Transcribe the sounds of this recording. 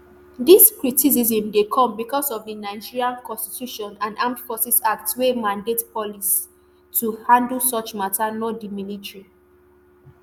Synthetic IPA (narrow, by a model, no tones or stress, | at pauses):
diskɹitis̬izĩmdekʰɔ̃mbikɔsɔvdinaɪd͡ʒiɹiãnkɔ̃nsti̥tʰjuʃɔ̃nãnãmfɔsisaktswemãndetpɔlis | tuhãndəlsɔt͡ʃmatanɔdimilitɹi